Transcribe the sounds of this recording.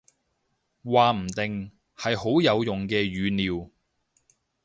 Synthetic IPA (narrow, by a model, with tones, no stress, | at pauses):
waː˨˩m̩˨˩t̪ɪ˨ŋ | hɐ˨jho˨˥wjɐ˨˧wjʊ˨ŋkɛː˧ɥyː˨˧niː˨w